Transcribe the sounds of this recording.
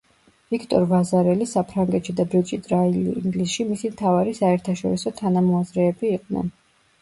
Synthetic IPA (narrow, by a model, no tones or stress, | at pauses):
vikʰt̪ʼɔ̰ɾvazaɾɛlisapʰɾaŋɡɛt̪ʃid̪abɾit͡ʃʼit̪ʼɾailːŋɡlisʃimisimt̪ʰavaɾisaɛɾt̪ʰaʃɔɾisɔt̪ʰanamɔazɾɛːbiːqʼnɛ̰n